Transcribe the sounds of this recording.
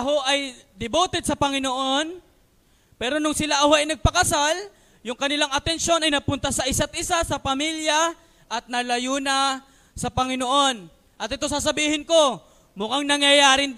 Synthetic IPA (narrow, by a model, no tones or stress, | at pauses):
ɐɦo̞ʔɐjd̪ɪboːt̪ɛd̪̚sɐpɐŋɪnoʔo̞n | pɛːɾo̞nʊŋsɪlaʔɐhoʔɐjnɐɡ̚pɐkɐsal | jʊŋkɐnɪlaŋɐt̪ɛnʃo̞nɐjnɐpʊnt̪asɐʔɪsat̪̚ʔɪsasɐpɐmiljɐ | ʔɐt̪̚nɐlɐjunɐ | sɐpɐŋɪnoʔo̞n | ʔɐt̪ɪt̪o̞s̬aːs̬ɐbiːhɪnko̞ | mʊkaŋnɐŋjɐjaːɾɪ